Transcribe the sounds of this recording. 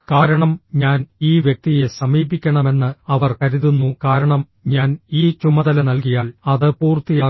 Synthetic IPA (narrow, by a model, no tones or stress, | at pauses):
kaːɾɐɳɐmɲaːniːʋjek̚t̪ije̞sɐmiːbikʲːɐɳɐme̞nːɨɐʋɐrkɐɾuðunːukaːɾɐɳɐm | ɲaːniːt͡ɕumːɐðɐlɐnɐlk̬ijaːlɐðɨpuːrt̪ːijaː